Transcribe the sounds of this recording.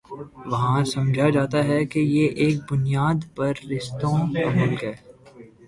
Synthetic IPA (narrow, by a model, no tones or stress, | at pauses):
ʋɐɦãsɐ̃md͡ʒʱad͡ʒaːt̪aɦɛkejeʔeːk̚bʊnijaːd̪pɐɾːɪʃt̪õɾɐɦəlɡɛː